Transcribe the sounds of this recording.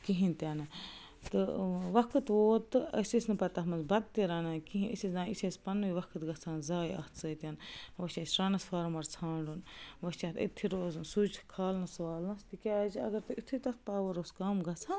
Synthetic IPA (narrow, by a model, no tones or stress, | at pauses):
kiɦĩnt̪ʲaːnɨ | t̪ɨʋɐkʰɨt̪ʋoːt̪ɨɐ̰sʲisnɨpɐt̪aɦmɐnzbɐd̪̚t̪iɾɐːnɐkiɦĩisʲizãːnisʲespɐnʋiʋɐkʰɨt̪ɡɐt͡sʰaːnzaːjɐ̰ht̪ʰt͡səit̪ʲanʋɐt͡ʃʲaːsʲɾɐnɐsfɐɾmɐɾt͡sʰaːɳɖunʋɐt͡ʃat̪ḭt̪ʰːiɾoːzɨnsud͡ʒkʰaːlnɐsʋaːlnɐst̪ikʲaːziɐ̰ɡɐɾt̪ɨit̪ʰut̪ɐt̪̚ʰpaːʋɐɾoːskɐmɡɐt͡sʰaːn